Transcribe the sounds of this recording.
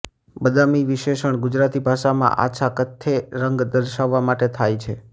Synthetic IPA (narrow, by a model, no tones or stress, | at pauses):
bəd̪amiʋɪʃeʃəɳ̃ɡʊd͡ʒɾat̪ibʱaʃamã̰ʔa̰t͡ʃʰakət̪ʰːeɾəŋɡd̪əɾʃaʋːamaʈet̪ʰajt͡ʃʰe